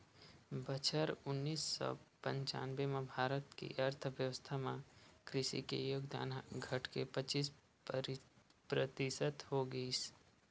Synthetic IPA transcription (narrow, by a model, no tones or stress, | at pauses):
bət͡ʃʰəɾʊnːiːsːɔ̰pə̃ɲt͡ʃa̰ːnʋemẽbʱaːɾət̪kḭʔɐɾt̪ʰʋjəʋəst̪ʰamãkɾɪʃḭkḛjoːɡd̪a̰ːnɡʱɐʈʰkepət͡ʃiːs | pɾət̪ɪsət̪ɦoɡəis